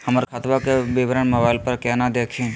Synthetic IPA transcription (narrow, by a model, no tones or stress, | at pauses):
hɐməɾkʰat̪ʋakeʋɪʋəɾəɳmɐbaːɪlpɐɾkɛnad̪eːkʰẽː